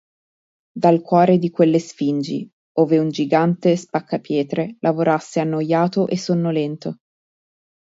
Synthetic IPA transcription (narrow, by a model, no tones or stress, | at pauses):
d̪alkwɔːɾed̪ikwelːesfind͡ʒḭ | oːveund͡ʒiɡant̪espakːapjɛːt̪ɾelʔavoɾasːeanːojːaːt̪oʔesːonːolɛnt̪o